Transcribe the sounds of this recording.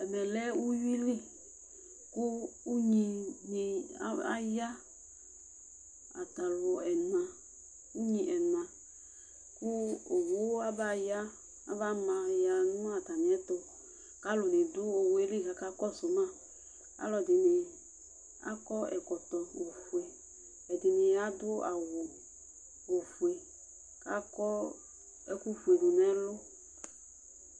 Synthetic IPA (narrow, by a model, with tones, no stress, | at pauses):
ɛ˨mɛ˨lɛ˦u˦ji˦li˦˨ | ku˦u˦ɲi˧ni˨˦a̰˦ja˦ | a˨ta˨lʊ˨˧ɛ˨n˨ã˨ | u˦ɲĩ˧ʔɛ˨nã˨ | ku˦o˨wo˦a˦ba˦˨ja˦ | a˦va˦mã˧ja˨nʊ̃˦a˨ta˨ni˨ɛ˦to˧ | ka˦lʊ˨ne˨dʊ˦o˨we˦li˦˨ɦa˨ka˦kɔ˦so˨mã˦ | a̰˦lɔ˨dɪ˨ne˨ | a̰˦kɔ˦ɛ̰˨kɔ˨t̪ɔ˨wo˨fu˨e˨ | ɛ˨d̪ɪ˨ne˨ja˦d̪ʊ˦a˨wo˨ | wo˨fu˨e˨ | ka˦kɔ˦ | ɛ˦ku˦fu˨e˨dʊ˨nɛ˨˦lʊ˦